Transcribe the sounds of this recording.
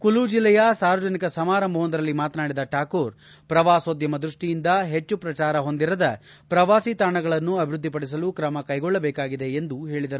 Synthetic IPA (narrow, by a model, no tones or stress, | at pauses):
kulud͡ʒilːɛjɐsaːɾʋɐd͡ʒɐnikɐsɐmaːɾɐmbɐɦond̪ɐɾɐlːimaːt̪naːɽid̪ɐʈaːkoːɾ | pɾɐʋaːsoːd̪jɐmɐd̪ɾuʂʈijind̪ɐɦe̞t͡ʃːupɾɐt͡ʃaːɾɐɦo̞nd̪iɾɐd̪ɐ | pɾɐʋaːsit̪aːɳɐɡɐɭɐnːuɐbʱiɾud̪ʱːipɐɽis̬ɐlukɾɐmɐkɐjɡɔɭːɐbɛːkaːɡid̪e̞ːnd̪uɦe̞ːɭid̪ɐɾu